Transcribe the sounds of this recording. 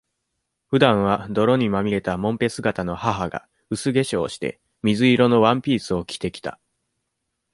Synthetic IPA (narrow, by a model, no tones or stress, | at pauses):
ɸɯ̟d̪ãɰ̃β̞ad̪o̞ɾo̞ɲ̟imamʲiɾe̞t̪amõ̞mpe̞sɨɡat̪ano̞haɦaɡa̰ | ɯ̟sɨɡe̞ɕo̞ːɕi̥t̪e̞̰ | mʲizɨiɾo̞no̞βãmpʲiːsɨo̞kʲi̥t̪e̞kʲi̥t̪a̰